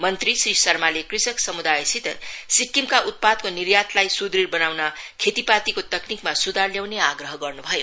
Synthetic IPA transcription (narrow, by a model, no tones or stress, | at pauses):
mʌnt̪risrisʌrmalekrisʌksʌmud̪ajsit̪sikːimkaʔut̪̚pad̪konirjat̪lajsud̪rirbʌnawnʌkʰet̪ipat̪ikot̪ʌknikmasud̪ʱarljawneaɡrʌɦʌɡʌrnubʱʌjo